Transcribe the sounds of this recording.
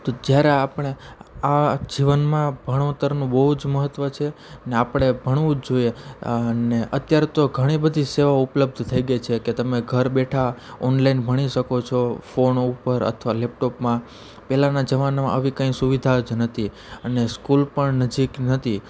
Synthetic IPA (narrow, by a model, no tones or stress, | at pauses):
t̪od͡ʒjaɾeapɽ̃ead͡ʒiʋənmãbʱəɽ̃t̪əɾnũbəɦud͡ʒməɦət̪ʋət͡ʃʰeneapɳ̃ebʱəɳʋũd͡ʒojeəneʔət̪jaɾet̪oɡʱəɽ̃ibəd̪ʱiseʋaupləb̚d̪ʱt̪ʰəiɡet͡ʃʰeket̪əmeɡʱəɾbeʈʰaɔnlainbʱəɽ̃iʃəkot͡ʃʰofonupəɾə̰t̪ʰʋalɛp̚ʈopmã | pɛlanad͡ʒəʋanmã̰ʔəʋikə̃ĩsuʋid̪ʱad͡ʒnət̪ʰi | əneskulpəɳnəd͡ʒiknət̪ʰi